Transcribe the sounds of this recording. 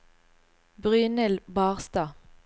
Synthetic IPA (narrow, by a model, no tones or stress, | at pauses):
bʁyːnəlbɑːʁst̪ɑː